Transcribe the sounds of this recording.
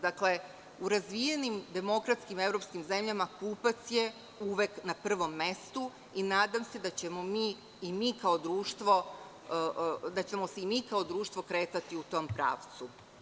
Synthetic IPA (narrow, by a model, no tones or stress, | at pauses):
d̪akle̞ | uɾazʋije̞nimd̪e̞mo̞kɾat̪skime̞vɾo̞pskimze̞mʎamakuːpat̪sje | uʋeknapr̩ʋo̞mːe̞st̪u | inaːd̪amse̞d̪at͡ɕe̞mo̞miː | imiːkao̞d̪ɾuːʃt̪ʋo̞ | d̪at͡ɕe̞mo̞seimiːkao̞d̪ɾuːʃt̪ʋo̞kɾe̞ːt̪at̪iut̪o̞mpɾa̰ːʋt̪su